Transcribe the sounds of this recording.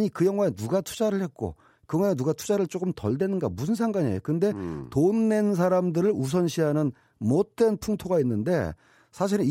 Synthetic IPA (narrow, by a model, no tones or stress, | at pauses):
ɲikɯjʌŋɦwaenuɡatʰu̥d͡ʑaɾɯɭhe̞t̚k͈o̰ | kɯɡaenuɡatʰu̥d͡ʑaɾɯɭt͡ɕ͈okɯmtʌ̰ɭdwe̞nɯnɡamusʰɯnsʰaŋɡaɲḛjokɯnde̞tonːe̞ns̬ʰaɾamdɯɾɯɭus̬ʰʌnɕʰiɦanɯn | mot̚t͈e̞npʰuŋtʰoɡainːɯnde̞̰ | sʰaɕ̬ʰiɾɯn